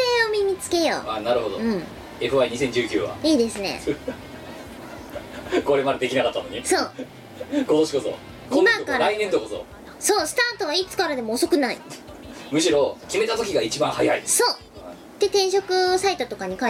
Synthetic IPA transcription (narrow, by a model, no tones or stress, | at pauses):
eomʲimʲit͡sɨ̥ke̞jo̰ːaːnaɾɯ̟ɦo̞d̪oɯ̟̃ɴ | e̞ɸβaiɲ̟is̬ẽ̞ɲ̟d͡ʑɨːkʲɨːβa̰iːd̪e̞sɨne̞̰ | ko̞ɾemad̪ad̪e̞kʲinakat̪ːanoɲ̟isoː | ko̞t̪oɕiko̞so̰ | ɡomãkaɾɾainẽnt̪okoso̰ | so̞ːsɨ̥t̪ãːt̪o̞βait͡sɨ̥kaɾad̪e̞mo̞ːso̞kɯ̟naḭ | mɯ̟ɕiɾo̞kʲime̞t̪at̪o̞kʲiɡait͡ɕibãhaihaid̪essoː | d̪̥e̞t̪ẽ̞ɰ̃ɕo̞kɯ̟sait̪o̞t̪o̞kaɲ̟ika